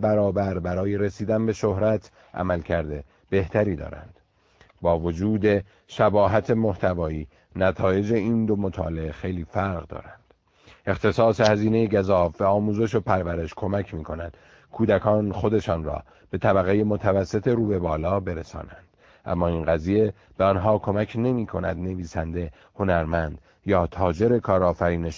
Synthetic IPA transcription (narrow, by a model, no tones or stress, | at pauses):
bæɾɒːbæɾbæɾɒːje̞ɾesiːd̪ænbe̞ʃo̞hɾæt̪ʰ | ʔæ̰mælcʰæɾd̪e | b̥e̞ht̪ʰæɾiːd̪ɒ̰ːɾæ̰nd̪̥ | bɒːvod͡ʒuːd̪e̞ | ʃæbɒːɦæt̪ʰe̞mo̞ht̪ʰævɒːiː | næt̪ʰɒːje̞d͡ʒe̞iːnd̪omo̞t̪ʰɒːleexe̞jliːfæɾɣd̪ɒ̰ːɾænd̪̥ | ʔe̞xt̪ʰe̞sɒːse̞hæziːne̞jeɟæzɒːfːæɒːmuːze̞ʃo̞pʰæɾvæɾe̞ʃkʰo̞mæcʰmiːkʰo̞næd̪̥ | kʰuːd̪ækʰɒːnxo̞d̪e̞ʃɒːnrɒ̰ː | b̥e̞t̪ʰæbæɣejemot̪ʰævæsːe̞t̪ʰe̞ɾuːbe̞bɒːlɒːbe̞ɾesɒ̰ːnænd̪̥ | ʔæ̰mːɒːinɢæziːje̞ | b̥eɒnɦɒːkʰo̞mæcʰne̞miːkʰo̞næ̰d̪ne̞viːsænd̪e̞ | ho̞næɾmænd̪̥ | jɒːt̪ʰɒːd͡ʒe̞ɾe̞kʰɒːɾɒːfæɾiːneʃ